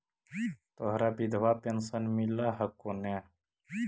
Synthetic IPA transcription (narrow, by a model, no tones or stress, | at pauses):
t̪oɦɾaːbid̪ʱʋaːpensənmilaɦɐkːone